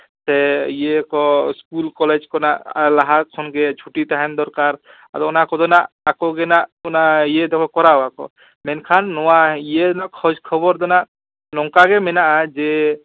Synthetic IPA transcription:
sɛjekɔskulkɔled͡ʒkɔnaʔlaɦakʰɔnɡɛt͡ʃʰuʈit̪aɦɛnd̪ɔɾkaɾ | a̰d̪ɔɔnakɔd̪ɔnaʔːkɔɡɛnaʔɔnajed̪ɔkʰɔkɔɾawakɔ̰ | mɛnkʰanːɔwaijed̪ɔnakʰɔd͡ʒkʰɔbɔɾd̪ɔnaʔ | lɔŋkaɡɛmɛnaʔad͡ʒe

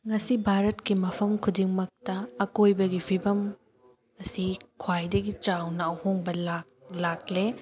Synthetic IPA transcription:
ŋɐsibʱaɾɐtkimɐpʰɐmkʰudiŋmɐk̚tɐːkojbɐɡipʰibɐm | ɐsikʰwajdɐɡit͡ʃawnɐhoŋbɐla | lak̚le

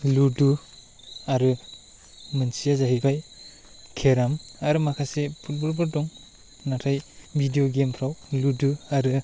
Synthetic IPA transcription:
ludu | aɾɯ | mɯnsijazaɦibaj | kʰeɾamaɾɯmakʰasepʰut̚bɔlbɔɾdɔŋ | natʰajbʱidijoɡempʰɾawluduaɾɯ

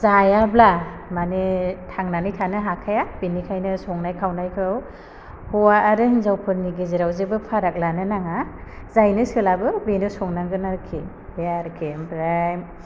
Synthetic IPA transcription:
zajablamanetʰaŋnanɯjtʰanɯɦakʰajab̥inikʰajnɯsɔŋnajkʰawnajkʰɯw | hɔwaʔːɾɯhɯnzawpʰɯɾniɡezeɾawzebɯpʰaɾak̚lanɯnaŋazajnɯsɯlabɯbenɯsɔŋnaŋɡɯnaɾkʰːi | beaɾɯkʰembɾajm

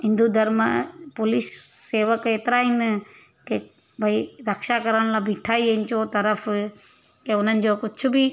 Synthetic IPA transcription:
ɦɪ̃nd̪ud̪ʱɐɾmãpʊlisːeːʋəkeːt̪ɪɾaːɦinɪ | ke | bʱɐiɾɐkʃakɐɾəɽ̃laːbʱiʈʰaːiẽnɪt͡ɕot̪ɐɾəf | keʊn̤ənɪ̆d͡ʑoːkʊt͡ɕʰʊbi

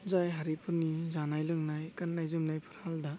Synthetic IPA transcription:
zajɦaɾipʰɯnizanajlɯŋnajkanːajzɯmnajpʰɯ̥ɾhaldɐ

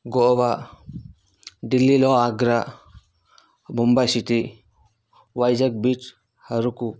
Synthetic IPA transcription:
ɡɔʔɔβa | dilːilɔaɡɾa | bɔmbajsiti | wajd͡ʒak̚bit͡ʃ | haɾuku

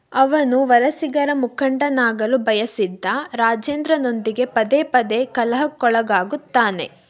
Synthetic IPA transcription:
ɐʋɐnuʋɐlɐsiɡɐɾɐmukʰɐɳɖɐnaːɡɐlubʱɐjɐsid̪ːɐɾaːd͡ʒeːnd̪ɾɐno̞nd̪iɡe̞pɐd̪eːpɐd̪e̞kɐlɐɦɐkːɔɭɐɡaːɡut̪ːaːne̞̰

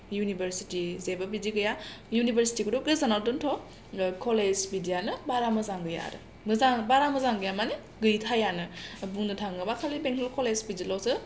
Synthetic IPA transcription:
junibeɾsitizebabiziɡɯjajunibʱeɾsi̥tikʰɯduɡɾezanalduntʰɔ | kʰɔlezbidijanɯbaɾamɯzaŋɡɯja̰ɾɯ̰ | mɯzaŋbaɾamɐzaŋɡɯjamane | ɡɯjtʰajanɯbuŋdɯtʰaŋɡɯbakʰalibeŋkʰɔlkʰɔlezbizilawsɯ

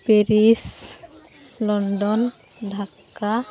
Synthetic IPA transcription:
peɾis | lɔɳɖɔn | ɖʱaka

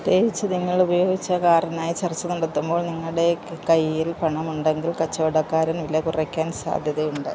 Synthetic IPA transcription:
d̪eːʋit͡ɕːɨniŋːɐɭubɐjo̞ːɡit͡ɕːɐkaːrjɐnaːjit͡ɕɐrt͡ɕːɐnuɳɖɐt̪ːumbo̞ːɭniŋːɐɭɽe̞kɐjilpɐɳɐmuɳɖe̞ŋɡilkɐt͡ɕːoːɽɐkːaːɾɐnʋilːɐkurɐkʲːaːnsa̰ːd̪ʱjɐðɐjuɳɖɨ

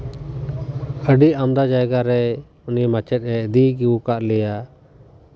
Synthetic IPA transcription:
əɖiʔamd̪ad͡ʒajɡaɾɛ | unimat͡ʃɛt̪̚ˀɾɛd̪iɡiwukaʔlɛja

